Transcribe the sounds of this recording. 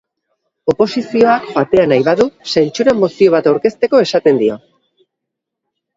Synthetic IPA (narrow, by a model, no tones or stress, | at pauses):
o̞po̞sisio̞akbat̪e̞anajβaðusajnt͡suɾamo̞sio̞β̞at̪awɾke̞st̪e̞ko̞e̞sat̪e̞nd̪io̞